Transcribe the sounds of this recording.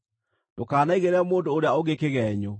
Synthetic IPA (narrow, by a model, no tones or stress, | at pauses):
d̥okaːnaiɣeɾɛmoːndoːɾeaoɣekeɣɛːɲo